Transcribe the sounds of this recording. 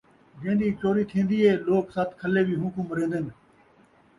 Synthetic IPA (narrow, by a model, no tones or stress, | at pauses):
d͡ʒẽːnd̪iːt͡ʃoːɾiːt̪ʰĩːnd̪iːɦeːloːksat̪kʰəleːbʱiːɦũːkũːməɾẽːnd̪ɪn